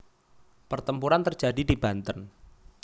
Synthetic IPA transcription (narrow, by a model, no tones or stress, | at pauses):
pərt̪əmpuɾant̪ərd͡ʒadidibant̪ən